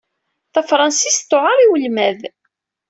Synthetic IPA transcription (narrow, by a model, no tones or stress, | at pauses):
θæfɾˤɑnsist̪ːʊʕaɾˤiwəlmæð